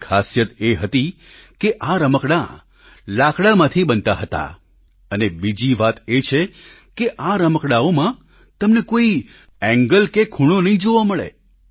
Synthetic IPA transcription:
kʰasjət̪eɦət̪i | keʔaɾəməkɽa | lakʰɽamãt̪ʰibənt̪aɦət̪a̰ | ənebid͡ʒiʋat̪et͡ʃʰe | keʔaɾəməkɽaomã | t̪əmnekoi | ɛ̃ŋɡəlkekʰuɽ̃onəɦĩd͡ʒoʋaməɭḛ

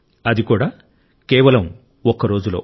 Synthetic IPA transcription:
ɐd̪ikuːɽaː | keːʋɐlɐm | ɔkɐɾo̞ːd͡ʒulo̞̰ː

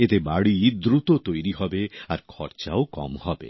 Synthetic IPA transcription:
et̪ebaɽiid̪ɾut̪ot̪ojɾiɦɔbeaɾkʰɔɾt͡ʃaokɔ̰mhɔbḛ

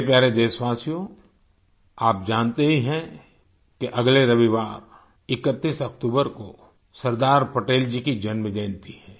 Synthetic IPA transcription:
pjaːɾed̪eːsʋaːsijõ | aːp̚d͡ʒaːnt̪eɦiɦɛ̃ | keʔɐɡleɾɐʋiʋaːɾ | ɪkət̪ːiːsɐkt̪uːbəɾko̰ | sɐɾd̪aːɾpɐʈeːld͡ʒikid͡ʒɐnmd̪ẽːnt̪iɦɛ̃ː

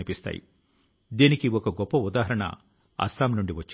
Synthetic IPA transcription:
ipist̪a̰ːjḭ | d̪iːnikiɔkɐɡɔpːɐud̪aːɦɐɾɐɳɐ̰ | ɐ̰saːmnuɳɖiʋɐt͡ʃː

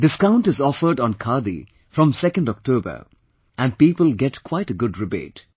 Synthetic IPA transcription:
dɪskãʊ̃nʈɨzɔfə˞ɖɔ̃nkʰad̪ḭ | fɾɔ̃msɛkə̃ndɔk̚ʈoːbə̰˞ | ʔæ̃n̚piːpəlɡɛʈkʰwaɪʈəɡʊdɹɪbḛːt

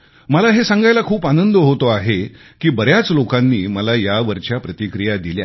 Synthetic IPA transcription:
məlaɦesãŋɡajlakʰuːpanənd̪ɦot̪oaɦe | kiːbəɾjat͡slokanːiːməlajaʋəɾt͡ɕjapɾət̪ikɾijad̪ilja̰

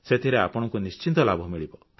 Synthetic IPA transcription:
set̪ʰiɾeapɔɽ̃ɔŋkunist͡ʃint̪ɔlabʱɔmiɭibɔ

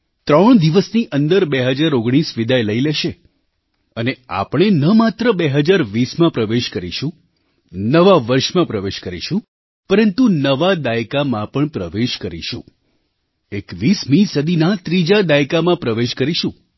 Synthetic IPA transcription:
t̪ɾəɳ̃d̪iʋəsniʔənd̪əɾbeɦəd͡ʒaɾoɡɽ̃isʋid̪ajləileʃe | ənea̰pɳ̃enəmat̪ɾəbeɦəd͡ʒaɾʋismãpɾəʋeʃkəɾḭʃũ | nəʋaʋəɾʃmãpɾəʋeʃkəɾḭʃũ | pəɾənt̪unəʋad̪ajkamãpəɳpɾəʋeʃkəɾḭʃṵ̃ | ekʋismĩsəd̪ʱinat̪ɾid͡ʒad̪ajkamãpɾəʋeʃkəɾiʃũ

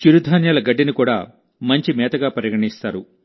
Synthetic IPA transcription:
t͡ʃiɾud̪ʱaːnjɐːlɐɡɐɖːinikuːɽa̰ː | mɐɲt͡ʃimɛːt̪ɐɡaːpɐɾjɐɡɐɳist̪aːɾu

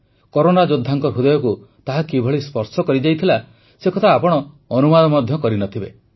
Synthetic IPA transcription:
kɔɾonad͡ʒod̪ʱːaŋkɔɾɦud̪ɔjɔku | t̪aɦakibʱɔɭispɔɾsɔkɔɾid͡ʒajt̪ʰila | sekɔt̪ʰaːpɔɽ̃ɔː | numad̪ɔmɔd̪ʱjɔkɔɾinɔt̪ʰibe

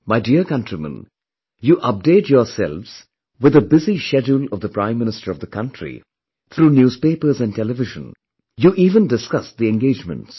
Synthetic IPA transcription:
maɪdiəɾkʌ̃ntɹimə̰̃n | juːʔʌp̚deɪtjɔːsɛ̰lʋz̥ | wɪðəbɪziʃɛd͡ʒulʌvd̪əpɾãɪ̃mːɪ̃nɪstəɾʌvðəkʰʌ̃nʈʰɹḭ | t̪ʰɾuːnjuːz̥peːpəɾzæ̃nɖ̚ʈɛlɨvɪʒə̰̃n | juʔiːvə̃ndɪskʌsd̪iɛ̃nɡeːd͡ʒmə̰̃nts

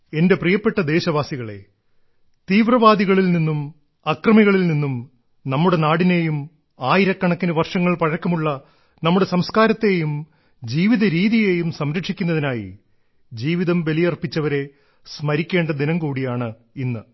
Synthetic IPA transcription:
e̞nde̞prijɐpːe̞ʈːɐd̪e̞ːɕɐʋaːsiɣɐɭe̞̰ | t̪iːʋrɐʋaːd̪iɣɐɭilninːum | ɐkrɐmiɣɐɭilninːum | nɐmːuɽe̞naːɽine̞jum | aːjiɾɐkːɐɳɐkːinɨʋɐrʂɐŋːɐɭpɐɻɐkːɐmuɭːɐ | nɐmːuɽe̞sɐmskaːɾɐt̪ːe̞jum | d͡ʑiːʋiðɐɾiːðijeːjumsɐmɾɐkʂikʲːunːɐðinaːjḭ | d͡ʑiːʋiðɐmʋelijɐrpːit͡ɕːɐʋɐɾe̞ | smɐɾikʲːeːɳɖɐd̪inɐmkuːɽijaːɳɨ | inːɨ

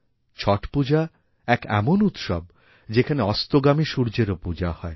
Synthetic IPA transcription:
t͡ɕʰɔʈpud͡ʑa | ɛkɛmonut̪ʃɔ̰b̚ | d͡ʑekʰaneɔst̪oɡamiʃuɾd͡ʑeɾopud͡ʑahɔe

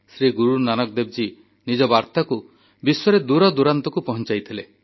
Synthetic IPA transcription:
sɾiɡuɾunanɔk̚d̪eb̚d͡ʒi | nid͡ʒɔbaɾt̪aku | biswɔɾed̪uɾɔd̪uɾant̪ɔkupɔɦɔnt͡ʃajt̪ʰile

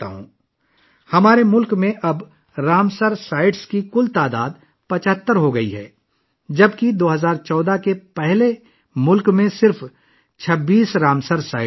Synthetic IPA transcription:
t̪a̰ɦṵ̃ː | hɐmaːɾemʊlkmẽʔɐb | ɾaːmsəɾsaːɪʈskikʊlt̪aːd̪a̰ːd̪̚ | pɐt͡ʃəɦt̪ːəɾɦoɡɐiɦɛ̰ː | d͡ʒɐbkid̪oːɦɐzaːɾt͡ʃɔːd̪akepɛɦle | mʊlkmẽsɪɾf | t͡ʃʰɐbːiːsɾaːmsəɾsaːɪ

